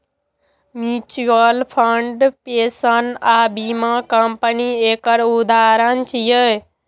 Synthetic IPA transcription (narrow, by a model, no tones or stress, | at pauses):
mit͡ʃuəlpʰəɳɖpesənabimãkəmpəniekəɾud̪aɾənt͡ʃijə